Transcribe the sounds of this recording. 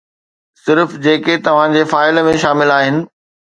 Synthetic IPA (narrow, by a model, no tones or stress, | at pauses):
sɪɾfd͡ʑeːket̪ɐʋ̤ãd͡ʑeːfaːɪlmẽʃaːmɪlaːɦɪnɪ̆